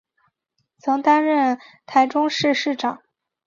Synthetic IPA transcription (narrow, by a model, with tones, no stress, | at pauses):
t͡sʰɤ˧˥ŋt̪a˥nɻə˥˩nt̪ʰa˧˥ɪʈ͡ʂʊ˥ŋʂɻ̩˥˧ʂɻ̩˥˩ʈ͡ʂɑ˨˩˦ŋ